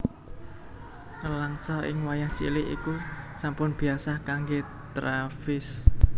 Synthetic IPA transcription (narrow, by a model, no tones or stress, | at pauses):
ʔəlaŋsɔɪ̰ŋwajaht͡ʃḭlɪʔḭkusampʊnb̥i̤asakaŋɡe | t̪ɾafɪs